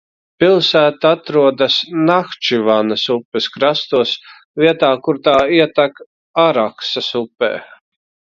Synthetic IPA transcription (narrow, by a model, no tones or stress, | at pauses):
pilˠsæːt̪aat̪ɾuɔd̪asnaxt͡ʃivanasupːɛskɾast̪uɔs | viɛt̪aːkuɾt̪aːiɛt̪ak | aɾaksɐsupːḛː